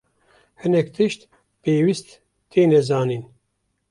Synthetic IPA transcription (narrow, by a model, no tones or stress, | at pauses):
hɨnɛkt̪ʰɨʃt̪ | peːwist̪ː | eːnɛzaːniːn